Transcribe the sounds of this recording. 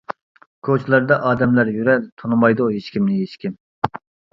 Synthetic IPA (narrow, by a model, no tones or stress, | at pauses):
kʰot͡ʃʰlˠɑɾd̪ɑʔɑːd̪ɛmlæɾjyɾɛlt̪ʰonɨmɑjd̪uɦeʃkʲimnɪɦeʃkʲim